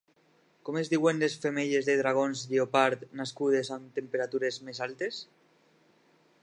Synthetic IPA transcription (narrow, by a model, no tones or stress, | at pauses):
komezðiwenlesfemeʎezðeðɾaɣ̞onzðiopaɾt̪naskuð̞esant̪empeɾat̪uɾezmesalt̪es